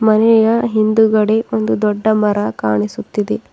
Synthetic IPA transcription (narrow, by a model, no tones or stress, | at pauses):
mɐnɛjɐɦind̪uɡɐɽeond̪ud̪ɔɖːɐmɐɾɐkaːɳisut̪ːid̪e